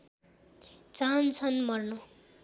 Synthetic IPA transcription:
t͡sant͡sʰʌnmʌrno

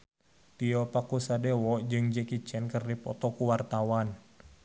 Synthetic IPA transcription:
t̪iɔpakusadewɔd͡ʒɨŋd͡ʒɛkit͡ʃɛnkɨrdipɔ̰t̪ɔkuwart̪awan

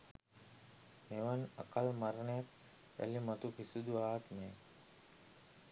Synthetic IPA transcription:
meʋana̰kalmaɾnejak | æ̰limat̪upisud̪uaːt̪me

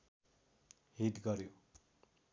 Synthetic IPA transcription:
ɦiʈɡʌɾjo

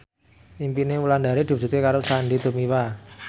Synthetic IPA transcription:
impinewuland̪aɾed̪̥i̤bd͡ʒ̥ṳt̪ekaɾosanɖid̪̥o̤miwa

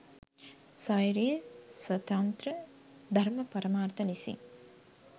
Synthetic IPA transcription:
sɔjɾiswɐt̪ɐnt̪ɾə | d̪ʱɐɾmɐpɐɾɐmaːrt̪ɐlisḭŋ

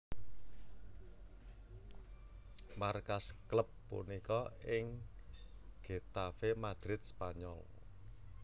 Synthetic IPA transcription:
markaskləpːṵnikɔɪŋ | ɡ̥e̤t̪afemad̪̥ɾɪt̪̚spaɲɔ̰l

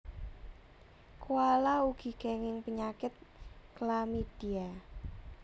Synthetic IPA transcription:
kualauɡ̥i̤ɡ̥ɛ̤ŋɪŋpəɲakɪt̪̚klamid̥ia

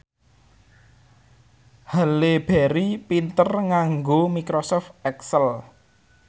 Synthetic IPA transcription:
haleb̥ɛɾipint̪ərŋaŋɡomikɾosɔft̪ɛksəl

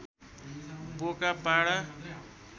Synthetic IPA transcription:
bokapaɽa

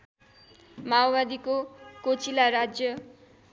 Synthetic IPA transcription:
mawbad̪ikokot͡silaɾad͡zjʌ

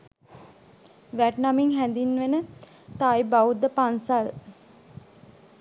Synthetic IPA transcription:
ʋæʈnamiŋɦænd̪inʋenə | t̪aːjbaud̪əpansal

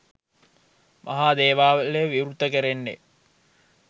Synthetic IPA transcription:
mʔɐ̰ɦaːd̪eːʋaːʋəleʋiɾut̪əkəɾenːḛ

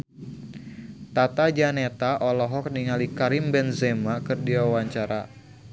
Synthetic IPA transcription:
t̪at̪ad͡ʒanet̪aʔɔlɔɦɔk̚niŋalikaɾimbɛnzemakɨrdiwawaɲt͡ʃaɾa̰

